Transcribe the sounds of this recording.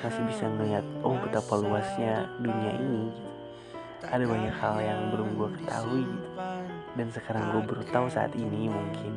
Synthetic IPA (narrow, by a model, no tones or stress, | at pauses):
masɪhbisamuiat̪̚ɔkut̪apaluasɲaduniaʔini | ʔadabaɲakhaljaŋbəlʊmɡuakə̥t̪a̰ɦui | dansəkaɾaŋɡuabəɾut̪ausa̰a̰t̪inimuŋkʰɪn